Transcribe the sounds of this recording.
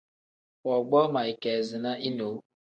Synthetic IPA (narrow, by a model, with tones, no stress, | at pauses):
ɔ˨ɡ͡bɔ˦ma˨i˨ke˨zɪ˨na˦ʔi˦no˨˦